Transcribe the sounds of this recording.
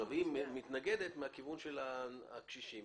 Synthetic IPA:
avimːit̪naɡe̞d̪et̪meakivunʃelaakʃiʃim

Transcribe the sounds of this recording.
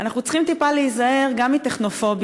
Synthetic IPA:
anaχnut͡sχimt̪ipaleizae̞ʁɡamit̪eχno̞fo̞b

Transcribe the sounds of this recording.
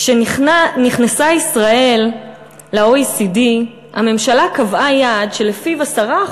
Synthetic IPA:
ʃeniχnasaisʁaʔe̞lː | aoisidi | ha̰me̞mʃalakavʔajadʃe̞lefivasaʁa

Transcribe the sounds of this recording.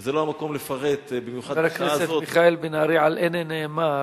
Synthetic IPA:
zeloamakomlefaʁet̪bimjuχadaɾakneaset̪omiχaelbinaɾiʕalʔeneneːma

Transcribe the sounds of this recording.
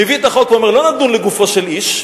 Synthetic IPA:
eviet̪aχokveomeʁlonad̪nunleɡufoʃeliʃ

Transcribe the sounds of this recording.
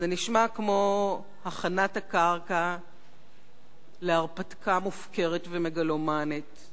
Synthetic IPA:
zeniʃmakmo̞ | haχanathakaʁka | leaʁpatkamufke̞ʁetvemeɡalomanit

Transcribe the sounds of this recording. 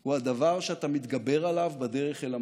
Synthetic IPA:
huad̪avaʁʃeat̪amit̪ɡabe̞ʁalavbad̪e̞ʁeχʃela

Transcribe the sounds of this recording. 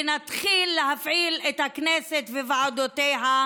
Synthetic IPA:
nat̪χilːeɦafʕilet̪hakneset̪vevaʕad̪ot̪ejɦa

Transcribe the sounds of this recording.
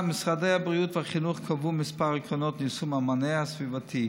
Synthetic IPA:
mɪsʁadeabʁjuːtvaχinuχkʰavuːmɪspaʁəkɔnɔtnisumamanɛasvivatʰi

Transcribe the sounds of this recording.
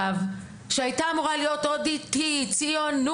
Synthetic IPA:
v | ʃeajtaːmuʁalijo̞t̪od̪itit͡sionːu

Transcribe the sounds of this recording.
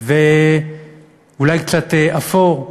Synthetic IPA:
ve | ulajkt͡sat̪eʔafoʁ

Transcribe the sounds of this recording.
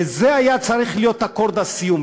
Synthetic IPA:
zeajat͡saɾiχlijo̞t̪hako̞ɾd̪asijum

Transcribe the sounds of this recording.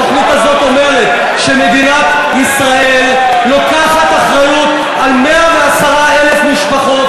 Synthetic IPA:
aχnut̪azo̞t̪o̞me̞ʁe̞t̪ | ʃe̞me̞d̪inat̪ | isʁae̞lː | o̞kaχat̪aχʁajut̪ | almeaveasaʁae̞le̞fmiʃpaχo̞t̪

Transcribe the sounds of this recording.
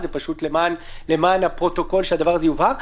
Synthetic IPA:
zepaʃut̪lemaːnle̞maːnhapʁo̞t̪o̞ko̞lʃead̪avaʁazejuvaʁ

